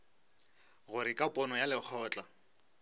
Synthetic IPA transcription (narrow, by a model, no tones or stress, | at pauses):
ɣʊɾɪkʼapʼɔnɔjalɪk͡xʰɔːt͡ɬʼa